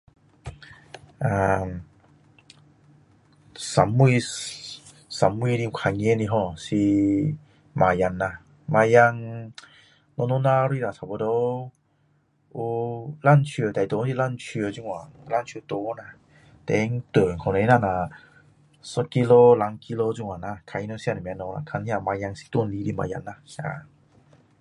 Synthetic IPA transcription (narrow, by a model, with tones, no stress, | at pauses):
ʔa˧m | sa˨˦mːu˧˨ | sa˨˦mː˧˨ɾi˧u˧kʰa˧ŋɛ˧˦ni˧ɦɔ˧˩si˧ | ma˨˧˩ja˧˨nːa˧˩ | ma˧ja˧ŋ | lɔ˧no˧˦na˧ɾi˧˨la˨˩sʰa˧˩bo˧do˧˦ | u˧la˧˥˨nt͡ɕʰi˧t̪a˨jt̪o˧˦si˧˨la˧˨nt͡ɕʰi˧zu˧˨ŋwa˨la˧˨nt͡ɕʰːt̪o˧˦˧na˧˨ | t̪ɛ˧˦ŋt̪ə˨˩˨ŋkʰɔ˨ne˧˦na˧na˨˩ | sɔ˧˦ki˧lo˧la˨˧˦ŋki˧lo˧zu˧ŋwa˨na˧˩kʰa˧i˧no˧˦sja˧na˨m˧˦nɔ˧na̰˧˨kʰa˧ni˧˦a˧˨ma˧ja˧ŋsi̥˧˦t̪u˧˥˨nli˧˦di˧˨ma̰˧˨ja̰˧˨nːa˧sa̰˧˨